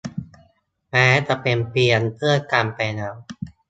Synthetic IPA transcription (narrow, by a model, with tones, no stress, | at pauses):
mɛː˦˥t̪a˧˩pe˧mpi˧ənpʰɯ˥˩əka˧mpɛ˧na˧˦˥w